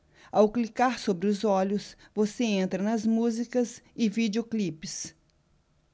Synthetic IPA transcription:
awklikaɾsobɾɪʊzɔʎʊs | voseẽnt̪ɾɐnɐzmuzikɐzɪvid͡ʒeoklipɪs

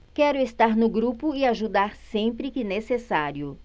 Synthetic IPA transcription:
kɛɾʊest̪aɾnʊɡɾupʊɪaʒud̪aɾsẽmpɾɪkɪnesesaɾjʊ

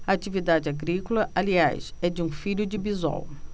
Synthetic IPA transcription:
ɐat͡ʃivid̪ad͡ʒɪaɡɾikolɐʔalia̰jsɛd͡ʒɪũfiʎʊd͡ʒɪbiza̰w

